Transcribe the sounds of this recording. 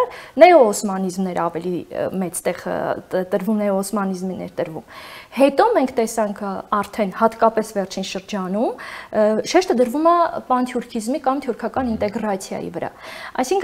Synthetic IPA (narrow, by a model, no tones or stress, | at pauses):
ɾnɛɔɔsmɑnizmnɛɾɑvɛlimɛt͡st̪ɛʁt̪əɾvumnɛɔɔsmɑnizminɛ̰ɾt̪əɾvṵmhɛt̪ɔmɛŋkʰt̪ɛsɑŋkʰɑɾt̪ʰɛnhɑt̪kɑpɛsvɛɾt͡ʃʰinʃəɾd͡ʒɑnum | ʃɛʃt̪əd̪əɾvumɑpɑnt̪ʰjuɾkʰizmikɑmt̪ʰjuɾkʰɑkɑnint̪ɛɡɾɑt͡sʰjɑ̰jḭvəɾɑ̰ɑ̰jsiŋkʰ